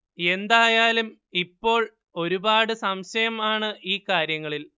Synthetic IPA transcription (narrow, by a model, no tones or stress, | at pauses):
e̞nd̪aːjaːlum | ipːo̞ːɭ | o̞ɾubaːɽɨsɐmɕɐjɐmaːɳɨʔiːkaːɾjɐŋːɐɭil